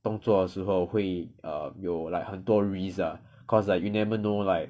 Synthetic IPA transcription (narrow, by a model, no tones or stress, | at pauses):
t̪ʊ̃ŋt͡swɔdəʃ̩ɦoʊhweɪʔəmjoʊlaɪkhə̃nt̪wɔɹizə | kʰɔslak̚junɛvənolaɪk̚